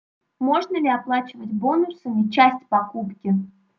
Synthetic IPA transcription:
mo̞ʐnəlʲɪɐplˠat͡ɕɪvətʲbo̞nʊsɨmʲɪt͡ɕæsʲtʲpɐkupkʲɪ

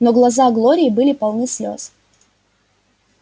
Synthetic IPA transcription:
noɡlˠɐzaɡlˠoɾʲɪːbɨlʲɪpɐlˠnɨsʲlʲo̰s

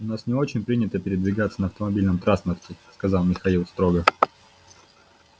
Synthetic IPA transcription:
ʊnasnʲɪo̞t͡ɕɪnʲpɾʲinʲɪt̪əpʲɪɾʲɪd̪vʲɪɡat̪sːənəɐft̪əmɐbʲilʲnəmt̪ɾanspərtʲɪskɐzɑlˠmʲɪxɐilˠst̪ɾo̞ɡə

